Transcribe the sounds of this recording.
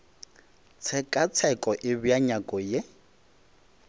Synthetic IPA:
t͡sʰɛkʼat͡sʰɛkʼɔʔɪbjaɲakʼɔje

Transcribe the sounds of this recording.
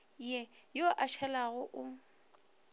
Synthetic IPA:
jɛjoʔaʃʰɛlaɣʊʔʊ

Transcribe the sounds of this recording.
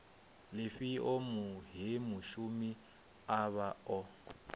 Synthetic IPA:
lɪfiʔomuɦimuʃumi | aβaɔ

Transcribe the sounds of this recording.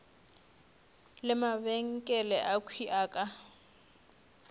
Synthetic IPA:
lɪmaβɛŋ̩kʼɛlɛʔakʰwiʔaːkʼa

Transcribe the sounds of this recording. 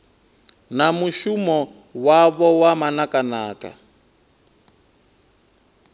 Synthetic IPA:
namuʃumɔ | waβɔwamanakanaːka̰

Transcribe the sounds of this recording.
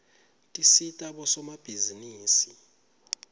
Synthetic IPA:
tʼisitʼaɓɔsɔmab̥ʱiziniːsi

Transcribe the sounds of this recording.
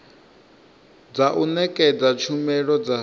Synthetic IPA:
d͡zaʔunɛkʼɛd͡zat͡ʃʰumɛɺɔd͡za

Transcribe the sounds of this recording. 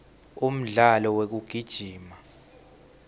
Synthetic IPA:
um̩ɮalɔwek̬uɡ̥ʱid̥ʒ̥ʱiːma

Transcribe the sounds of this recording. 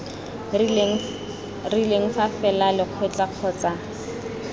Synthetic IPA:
rileŋ̩fafɛlalɪq͡χʰet͡ɬaq͡χʰɔːt͡sa

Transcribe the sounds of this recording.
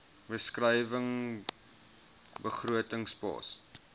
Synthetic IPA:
vəskrəjvəŋ | bəχruətəŋspɑ̰ːs

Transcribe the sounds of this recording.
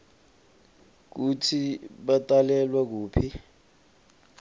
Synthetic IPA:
k̬utʰiɓatʼalɛlwak̬uːpʰi

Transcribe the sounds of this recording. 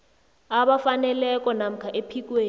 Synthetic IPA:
aɓafanɛlɛk̬ʼɔnam̩kʰaʔepʰik̬ʼweːn

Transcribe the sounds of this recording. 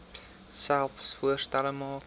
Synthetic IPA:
sɛlˠfsfuərstɛləmɑːk

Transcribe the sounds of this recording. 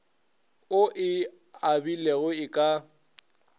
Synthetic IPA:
ʊʔɪ | abileɣʊɪkʼa

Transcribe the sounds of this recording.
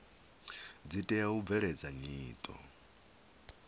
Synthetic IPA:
d͡zitʼɛjaub̪vɛɺɛd͡zaɲiːt̪ʼɔ̰

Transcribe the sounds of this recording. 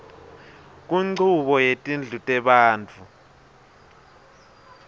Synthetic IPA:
k̬ʼuŋ͡ǀʱuɓɔjetʼind͡ɮʱutʼɛɓaːnt͡fʰu

